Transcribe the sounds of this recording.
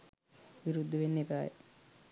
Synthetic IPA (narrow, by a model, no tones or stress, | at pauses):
ʋiɾud̪ːuʋenːebæːjḛ